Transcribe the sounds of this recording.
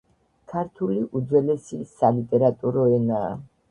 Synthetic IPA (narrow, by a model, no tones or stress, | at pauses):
kʰaɾt̪ʰuliʔud̪zwɛlɛsisalit̪ʼɛɾat̪ʼuɾɔɛna̰ː